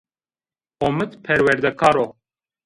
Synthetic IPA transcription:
omɨt̪pʰɛɾwɛɾd̪ɛkʰɑɾo

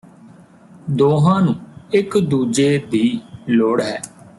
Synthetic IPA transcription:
d̪oːɦãːnũːɪkd̪uːd͡ʒeːd̪iːloːɽɦɛː

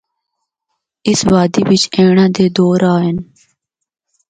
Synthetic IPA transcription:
ɪsʋaːd̪iːʋɪt͡ʃeːɳãːd̪eːd̪oːɾaːɦən

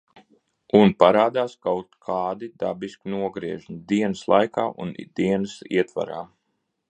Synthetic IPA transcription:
unpaɾaːd̪aːskawt̪kʰaːd̪id̪a̰biskinuɔɡɾiɛʒmid̪iɛnɨslˠajka̰ːʔṵnd̪̥iɛnɨsḭɛt̪va̰ɾa̰ː

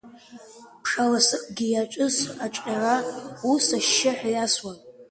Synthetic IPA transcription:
pʰʂalasɨqʼɡʲijaʈ͡ʂʷʼɨsat͡ʃʷʼʲarausaʃːɪħʷᶣajaswan

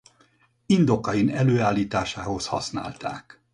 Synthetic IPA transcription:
ind̪o̞kɒinɛløːaːlːiːt̪aːʃaːho̞shɒ̰sna̰ːlt̪a̰ːk

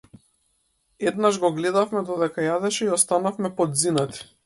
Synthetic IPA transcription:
ɛd̪naʒɡɔɡlɛd̪afmɛd̪ɔd̪ɛkajad̪ɛʃɛiɔst̪anafmɛpɔd̪zinat̪i̥

